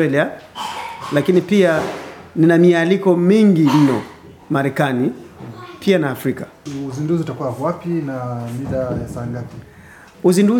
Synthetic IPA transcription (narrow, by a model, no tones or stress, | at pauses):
ɛlia | lakinipianinamialikɔmiŋɡin̩nɔ̰ | maɾɛkanipʰianaːfɾika | uzinduziutakuwavwapinamiðajasaŋɡapi̥ | uzindu